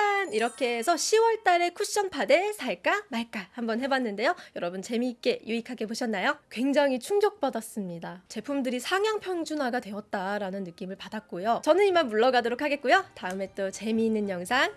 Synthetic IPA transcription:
aniɾʌkʰe̞ːsʰʌɕʰiwʌɭt͈aɾe̞kʰuɕ͈ʌnpʰade̞sʰaɭk͈amaɭk͈ahambʌnɦe̞banːɯnde̞jojʌɾʌbunt͡ɕe̞miːk͈e̞juikʰaɡe̞boɕʰʌnːajokwe̞ŋd͡ʑaŋɦit͡ɕʰuŋd͡ʑʌk̚p͈ʌdas͈ɯmɲidat͡ɕe̞pʰumdɯɾisʰaŋjaŋpʰjʌŋd͡ʑunaɡadwe̞ʌt̚t͈aɾanɯnːɯk͈imɯɭpadak̚k͈ojot͡ɕʌnɯnimanmuɭːʌɡadoɾokʰaɡe̞t̚k͈ujotaɯme̞t͈ot͡ɕe̞miːnːɯnjʌŋsʰaŋ

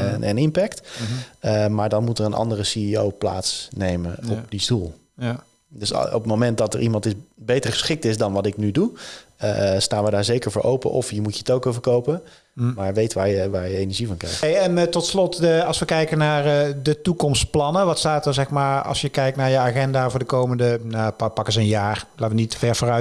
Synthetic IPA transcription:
nʔɛ̰nɪmpɛkt | əmaːɹdɑnmutərənʔɑ̰ndərəsiiowpla̰ːtsnejmənɔp̚distulˠ | døsɔ̰ptmomɛnt̚dɑtə̰ɹʔimɑntɪsbejtəɹχə̥sχɪk̚tɪzdɑnʋɑtɪknydu | staːnʋədaːɹzejkəɹvʊːɹʔowpə̰ʔɔfjəmutjətowkovəɹkowpə | maːɹʋejtʋaːɹjəʋaːɹjəejnəɹʒivɑnŋkrɛ̰jxtejɛntɔtslɔtəɑlˠsʋəkɛjkənaːrədətukɔmstplɑnəʋɑtstaːtəzɛxmaːɹɑ̰lˠsjəkɛjk̚tnaːɹjəaɣɛndaːvʊːɹdəkowməndənapɑkəzəənjaːrlaːtʋənitfɛɹvoːrœ

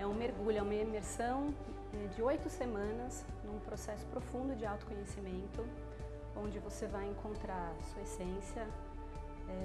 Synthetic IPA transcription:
ɛũmeɾɡuʎʊɛũmɐimeɾsɐ̃w̃ | ɛd͡ʒɪojt̪ʊsemɐ̃nɐs | nũpɾosɛsʊ̥pɾofũnd̪ʊd͡ʒɪawt̪ʊ̥kõɲesimẽnt̪ʊ | õnd͡ʒɪvosevajẽŋkʰõnt̪ɾaɾsuɐesẽsjɐ | ɛ

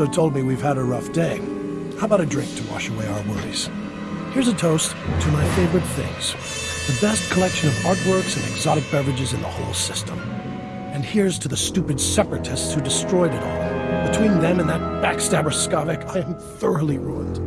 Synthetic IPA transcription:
oʊtʰoʊlˠd̚miwiv̥əɾəɹʌfd̥eɪ | haʊəbaʊɾɨdɹɪ̃ŋk̚tʰəwɑ̰ʃəweɪaʊə˞wɜ˞ḭz̥ | hɪɹzɨtʰoʊs | tʰɨmaɪfeɪvə˞ɨt̪̚θɪ̰̃ŋz̥ | ðɨbɛs̚kʰəlɛkʃɨ̃nʌvɑɹd̚wɜ˞ksɨ̃nɨɡzɑɾɨk̚b̥ɛvɨd͡ʒɨzɨ̃nðə̰hoʊlˠsɪstə̃m | ɨ̃nhiɹz̥tʰɨðɨstʉpɨdsɛpɹɨɾʰɨstshʉdɨstɹ̥ɔɪɾɨɾɔ̰lˠbɨtʰw̥ĩnðɨ̃mɨ̃nðɨt̚b̥ækstæbə˞skɑvɨkʰaɪɨ̃m | θɜ˞l̩ˠiɹṵə̃nd̥

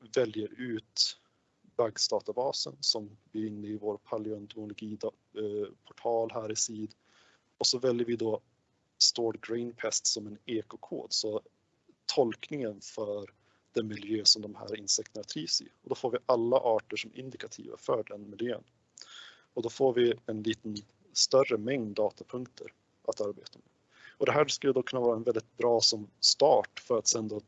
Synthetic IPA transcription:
vɛljəɾʉ̟ːt̪ | baɡst̪ɑːt̪abɑːsə̰nsɔmb̪ɪɾɪnːəɪvoːɾpʰalɪœnt̪ʊmʊlʊɡiːd̪ | pʰɔ̥ʈʰɑːlɦæːɾɪsiːd̪ | ɔsɔvɛljəɾvɪd̪ɔ | st̪oːɾɡɾɛɪnpʰɛst̪sɔmɛneːkʊkʰo̰ːd̪sɔ | t̪ʰɔlknɪŋənfœɾ | d̪̥ɛmɪljøːsɔmd̪ɔmhæ̰ːɾɪnsɛkt̪ənat̪ʰɾiːsɪ̰ɔd̪ɔfoːɾvɪʔalːa̰ʔɑːʈəʂɔmʔɪ̰nd̪ɪkat̪ʰḭːva̰fœɖɛnmɪljø̰ːn | ɔd̪ɔfoːɾvɪɛnliːt̪ən | st̪œrəmɛŋd̪ːɑːt̪ʰapʰɵŋkt̪ʰə̰ɾ | ʔat̪aɾbḛːt̪amḛ | ɔd̪ɛɦæːskɵlːəd̪ɔkʰɵnːavɑːɾaɛnvɛld̪ɪt̪̚bɾɑːsɔmst̪ɑːʈfœɾat̪sɛnd̪a

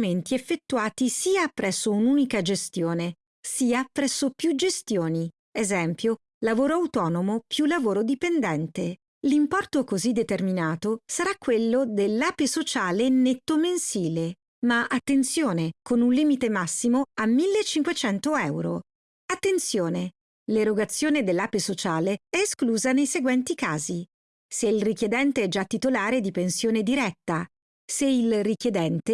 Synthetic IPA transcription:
ment̪iefːet̪ːuaːt̪isiːapɾɛsːounuːnikad͡ʒest̪joːne | siːapɾɛsːopjud͡ʒest̪joːni | ezɛmpjo | lavoːɾoawt̪ɔːnomopjulːavoːɾod̪ipend̪ɛnt̪e | limpɔrt̪okozid̪ːet̪erminaːt̪osaɾakːwelːod̪elːaːpesot͡ʃaːlenet̪ːomensiːle | maʔat̪ːent̪sjoːnekonunliːmit̪emasːimoamːilːet͡ʃːiŋkwet͡ʃɛnt̪oɛwɾo̰ | at̪ːent̪sjoːne | leɾoɡat̪sːjoːned̪elːaːpesot͡ʃaːleɛeskluːzanejseɡwɛnt̪ikaːzi | seilrik̟jed̪ɛnt̪eɛd͡ʒat̪ːit̪olaːɾed̪ipensjoːned̪iɾɛt̪ːa | seilrik̟jed̪ɛnt̪e

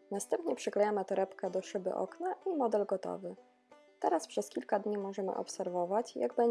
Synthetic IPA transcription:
nast̪ɛmpɲɛpʂɘklɛjamɘt̪ɔɾɛpkɛd̪ɔʂɘbɘ̰ʔɔ̰knaʔimɔd̪ɛlɡɔt̪ɔ̰vɘ | t̪ɛɾaspʂɛskʲilkad̪ɲimɔʐɛmɘ̰ʔɔ̰psɛɾvɔvat͡ɕjaɡbɛ

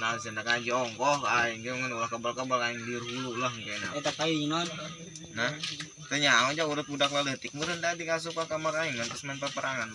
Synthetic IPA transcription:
nasəndakad͡ʒɔŋkɔhaiŋɡəŋənulahkabalkabalkaiŋdiɾulahŋkɛnaɛt̪akainan | nah | t̪əɲaod͡ʒauɾəp̚udaklalət̪ɪk̚muɾənd̪adikas̬ukakamakaiŋant̪əsmanpəpəɾaŋan

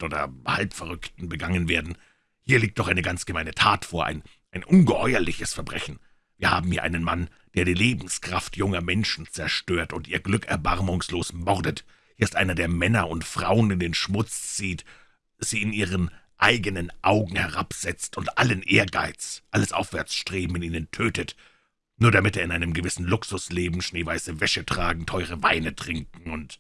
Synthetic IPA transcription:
ʔoːdɐ̰halpfɛɐʁʏktn̩bəɡaŋənveːɐdn̩ | hiːɐliːkt̚d̥ɔχaɪnəɡant͡sɡ̥əmaɪnətʰaːtfoːɐʔa̰ɪn | ʔaɪnʔʊnɡəhɔʏɐlɪçəsfɛɐbʁɛçn̩ | viːɐhaːbm̩hiːɐʔa̰ɪnənman | d̥eːɐɾiːleːbm̩skʁ̥aftʰjʊŋɐmɛnʃn̩t͡sɛɐʃtøːɐtʊntiːɐɡlʏkɛ̰ɐba̰ʁmʊŋsloːsmɔʁdət | hiːɐɪstʔaɪnɐdeːɐmɛnɐʊntfʁ̥aʊənɪndeːnʃmʊt͡st͡siːt | z̥iːɪniːʁ̞ən | ʔaɪɡənənʔaʊɡŋ̩hɛʁa̰pz̥ɛt͡stʊntʔalənʔeːɐɡa̰ɪt͡sʔaləsʔaʊfv̥ɛɐt͡sʃtʁ̥eːbm̩ɪniːnəntʰøːtət | nuːɐɾamɪteːɐɪnaɪnəmɡəvɪsn̩lʊksʊsleːbm̩ʃneːvaɪsəvɛʃətʁ̥aːɡŋ̩tʰɔʏʁ̞əvaɪnətʁ̥ɪŋkŋ̩ʊnt

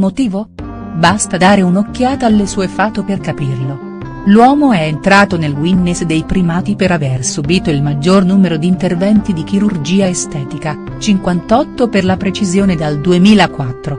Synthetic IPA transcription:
mot̪iːvo | bast̪ad̪aːɾeunokːjaːt̪aːlːesuːefaːt̪operkapirlo | lwɔːmoɛent̪ɾaːt̪onelwinːesd̪ejpɾimaːt̪ipeɾaversubiːt̪oilmad͡ʒːornuːmeɾod̪iːnt̪ervɛnt̪id̪ik̟iɾurd͡ʒiːaest̪ɛːt̪ika | t͡ʃiŋkwant̪ɔt̪ːoperlapɾet͡ʃizjoːned̪ald̪uemiːlakwat̪ːɾo

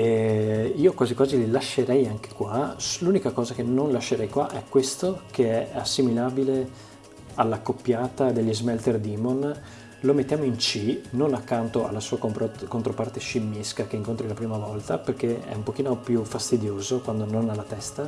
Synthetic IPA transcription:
eiːokwaːzikwaːzililaʃːeɾɛjaŋk̟e̥kwaluːnikakɔːzakenonlaʃːeɾɛjkwaʔɛkːwest̪okʰeɛasːimilaːbile | alːakopːjaːt̪ad̪eʎːizmɛlt̪erd̪iːmon | lomet̪ːjaːmoint͡ʃinonakːant̪oa̰lːasuːakont̪ɾopart̪eʃimːiskakeiŋkont̪ɾilapɾiːmavɔlt̪aperkeɛ̰umpok̟iːnopjufast̪id̪joːzokwand̪ononalːat̪ɛst̪a

